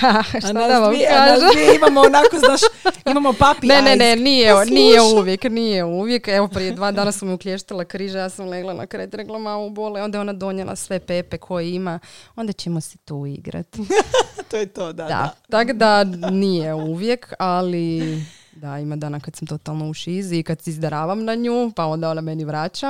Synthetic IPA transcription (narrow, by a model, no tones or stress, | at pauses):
aʃtt̪ad̪aʋamkaːʒeimamoonakozaːʃimamopapinenenenijenijeuʋjeknijeuʋjekeʋo̞pɾijed̪ʋaːd̪aːnasamuklʲeʃt̪alˠakɾiʒajaːsamleɡlˠana̰kɾet̪ɾeɡlˠamauboleo̞nd̪ajeonad̪o̞ɲelˠa̰sʋe̞pepe̞kʰo̞jeimaond̪at͡ɕemose̥t̪uːḭɡɾa̰t̪t̪ojet̪od̪ad̪a̰t̪akod̪anijeuʋjekʰali | d̪aimad̪aːnakad̪samt̪o̞t̪alˠno̞uʃiziːkad̪seizd̪aɾaːʋamnaɲuːpao̞nd̪aonameniʋɾaːt͡ʃa